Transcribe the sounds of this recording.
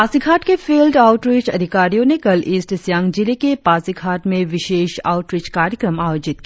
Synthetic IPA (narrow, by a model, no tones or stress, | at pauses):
aːsiɡʱaːʈkefeːlɖaːʊʈɾiːt͡ʃɐd̪ʱɪkaːɾijõnekɐleːsʈsjãːŋɡd͡ʒilekepaːsiɡʰʱaːʈmẽʋɪʃeːʃa̰ːʊʈɾɪːt͡ʃkaːɾjəkɾəmaːjoːd͡ʒɪt̪̚ki